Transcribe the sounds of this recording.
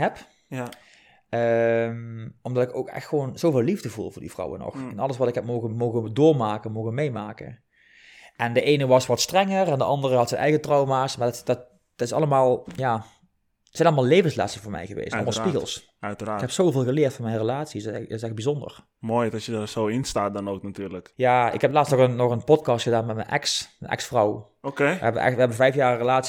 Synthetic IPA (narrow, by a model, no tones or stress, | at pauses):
ɦɛp | əmʔɔmdɑtɪko̰wkɛ̰xtxəʋonz̥owvɪːlivdəvṵlˠvʊːɹdḭvrɑ̰wə̰nɔ̰xɛnɑlˠəsʋɑtɪkɦɛp̚mowɣənmowɣədʊːɹmaːkəmowɣənmejmaːkə̰ | ʔɛndəʔejnəʋɑsʋɑtstrɛŋərɛndəʔɑndərəɦɑtsɛnʔɛ̰jɣətrɑwmaːsmaːɹdtd̥t̚ | d̥tɪsɑ̰ləmaːlˠjaː | də̥sɛjnɑlˠəmalˠlejvənsla̰ːtsəvoːɹmɛ̰jɣəʋḛːstlmllspiɣəlˠs | kɛpsowvɪːlˠɣəlɪːrtfɑnmɛjnrəlaːtsisɪsɛx̚bizɔndə̰r | moːjtɑsjədasowɪnstaːt̚dɑnowknatyːɹləkjaːɪ̰kɦɛplaːtstnɔɣənːɔxənpɔt̚kɑstxədaːnmɛtmɛ̰nʔɛksmənʔɛ̰ksfrɔw | okeə̰ɛbəʋə̰ʔɛ̰xʋəɦɛbənvɛjfjaːrːəlaːts